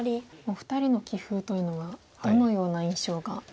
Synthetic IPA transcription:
ɾʲimoɸɯ̟̥t̪aɾʲino̞kʲiɸɯ̟ːt̪o̞jɯ̟ːno̞βa | d̥̪o̞no̞jo̞ːnaĩɰ̃ɕo̞ːɡa

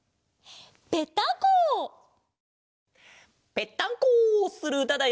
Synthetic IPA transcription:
pet̪ːãŋkoː | pe̞t̪ːãŋkoːsɨɾɯ̟d̪ad̪a

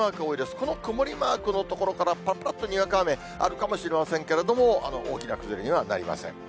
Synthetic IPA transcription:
aːkɯ̟o̞ːid̪e̞sɨ̥ko̞no̞kɯ̟moɾʲimaːkɯ̟no̞t̪o̞ko̞ɾo̞kaɾapapɯɾat̪ːoɲ̟iɡakaːme̞ | a̰ɾɯ̟kamo̞ɕiɾe̞masẽŋke̞ɾe̞d̪o̞mo̞a̰no̞ʔo̰ːkʲinakɯ̟zɨɾʲiɲ̟iβana̰ɾʲḭma̰sḛ̃ŋ

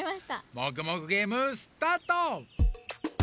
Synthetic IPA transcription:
imaɕi̥t̪amok̬ɯ̟mokɯ̟ɡe̞ːmɯsɨ̥t̪aːt̪o

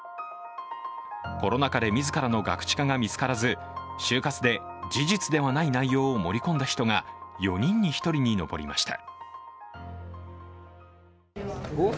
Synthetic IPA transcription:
ko̞ɾo̞nakad̪e̞mʲizɨkaɾano̞ɡa̰kɯ̟̥t͡ɕi̥kaɡamʲit͡sɨ̥kaɾazɨ | ɕɨːkat͡sɨd̪e̞d͡ʑiʑit͡sɨd̪e̞βanainaijo̞ːmo̞ɾʲikõnd̪açi̥t̪o̞ŋajo̞ɲ̟ĩɲ̟ːiçi̥t̪o̞ɾʲiɲ̟ino̞̰bo̞̰ɾʲḭma̰ɕi̥t̪a̰

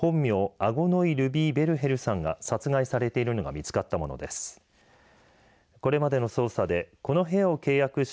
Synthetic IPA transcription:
hõ̞mːʲjo̞ːaɡo̞no̞iɾɯ̟bʲiːbe̞ɾɯ̟ɦe̞ɾɯ̟sãŋɡa̰sat͡sɨɡaisaɾe̞t̪e̞iɾɯ̟no̞ɡa̰mʲit͡sɨ̥kat̪ːamo̞no̞̰d̪e̞̰sɨ̥ | ko̞ɾe̞mad̪e̞no̞so̞ːsad̪e̞ko̞no̞ɦe̞ao̞ke̞ːjakɯ̟ɕ

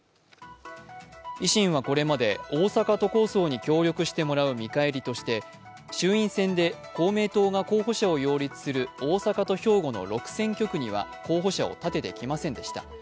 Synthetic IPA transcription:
iɕĩɰ̃β̞ako̞ɾe̞mad̪e̞o̞ːsakat̪o̞ko̞ːso̞ːɲ̟ikʲo̞ːɾʲo̞kɯ̟ɕi̥t̪e̞mo̞ɾaɯ̟mʲikaeɾʲit̪o̞ɕi̥t̪e̞ | ɕɨːĩɰ̃sẽ̞nd̪e̞ko̞ːme̞ːt̪o̞ːɡako̞ːɦo̞ɕao̞jo̞ːɾʲit͡sɨ̥sɨɾɯ̟o̞ːsakat̪o̞ço̞ːɡo̞no̞̰ɾo̞kɯ̟̥sẽ̞ŋkʲo̞kɯ̟ɲ̟iβa̰ko̞ːɦo̞ɕao̞̰t̪at̪e̞t̪ekʲimasẽ̞nd̪e̞ɕi̥t̪a̰

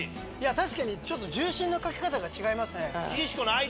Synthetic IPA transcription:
jat̪aɕi̥kaɲ̟it͡ɕo̞t̪ːo̞d͡ʑɨːɕĩnːokakʲe̞̥kat̪aɡat͡ɕiɡaimasɨnekʲiɕi̥konoai

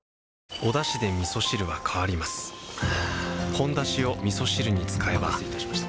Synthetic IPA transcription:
o̞d̪aɕid̪e̞mʲiso̞ɕiɾɯ̟βakʰaβaɾʲimasɨ̥ | hõ̞nd̪aɕio̞mʲiso̞ɕiɾɯ̟ɲ̟it͡sɨ̥kae̞bat̪aɕaɕi̥t̪

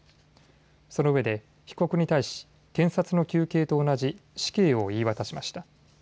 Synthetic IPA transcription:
so̞no̞ɯ̟βe̞d̪e̞ | çi̥ko̞kɯ̟ɲ̟it̪aiɕi̥ | kẽ̞ɰ̃sat͡sɨno̞kʲɨːke̞ːt̪o̞ːnaʑiɕi̥ke̞ːo̞iːβat̪aɕimaɕi̥t̪a

